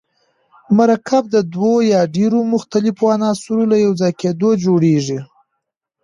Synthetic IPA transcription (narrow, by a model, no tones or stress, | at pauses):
maɾakʰab̚d̪əd̪wojɑɖeɾomʊxt̪alɪfoanɑsuɾolajawd͡zɑjked̪od͡ʒoɽeʐi